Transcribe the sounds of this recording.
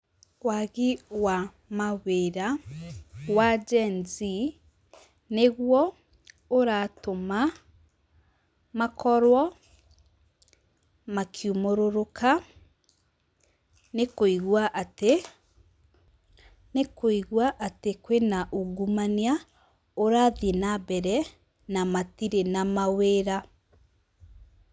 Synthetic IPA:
waɣiwa | maweɾa | wad͡ʒɛnzi | neɣwɔ | oɾatoma | makʰɔɾwɔ | makʰjumoɾoɾokʰa | nekoiɣwaʔte | nekoiɣwaʔatekwenaʔuɡumania | oɾaːðenabɛɾɛ | namatiɾenamaweːɾa

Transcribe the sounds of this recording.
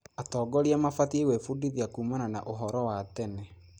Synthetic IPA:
atɔːɡɔɾiamafatiewɛfudiðiakuːmanana̰ʔoɦɔɾɔwatɛnɛ

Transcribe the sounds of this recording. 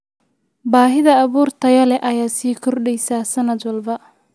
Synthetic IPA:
baːɦɪðɐːβuːrt̪ʰɐjɐlɛʔɐjaːsiːkʰɔrɖɛjsaːsɐnɐd̪wɐlbɐ

